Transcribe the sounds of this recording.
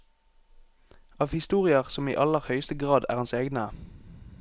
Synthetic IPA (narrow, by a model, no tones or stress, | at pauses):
ɑːʋhɪst̪uːʁɪəʁsɔmḭːʔɑləʁhœʏst̪əɡʁɑːd̪æ̰ːʁɑnseːɡnə